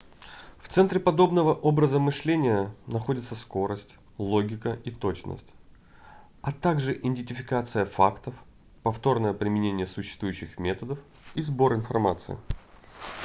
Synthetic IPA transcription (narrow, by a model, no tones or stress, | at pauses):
ft̪sɛnt̪ɾʲɪpɐd̪o̞bnəvəʔobɾəzəmɨʂlʲenʲɪjənɐxo̞dʲɪt̪səsko̞ɾəsʲtʲ | lˠo̞ɡʲɪkəʔit̪o̞t͡ɕnə̰sʲtʲ | ɐt̪aɡʐɨʔɪnʲdʲɪnʲtʲɪfʲɪkat̪sɨjəfa̰kt̪əf | pɐft̪o̞rnəjəpɾʲɪmʲɪnʲenʲɪjəsʊɕːɪst̪vujʉɕːɪxmʲe̞t̪əd̪əf | izbo̞ɾɪnfɐrmat̪sɨ̰ɪ̰